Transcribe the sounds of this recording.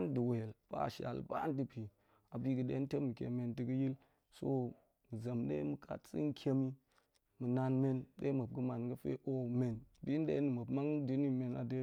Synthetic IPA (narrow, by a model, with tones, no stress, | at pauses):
n˦dɨ˨we˨lb̥a̰˦˨ʃa̰˨lba̰˦n˦dɨ˨pi˨ | a˨bi˦kɨ˨ɗe˦n˦te˦mi˨kʲḛ˨me˨ntɨ˨kɨ˦ji˦l | so̰˦ | mɨ˨zɐ˨mɗḛ˦mɨ˨kʰa̰˨tsɨ̰˦n˦kʰʲe˦mi˦ | mɨ˨na˨nme˦nɗḛ˦mə˨b̚ɡɨ˦ma˨nɡɐ˦fḛ˦ʔo˦me˨nbi˦n˦dḛ˦nɨ˨mə˨bma˦ŋdi˦ni˦me˨na̰˨de˦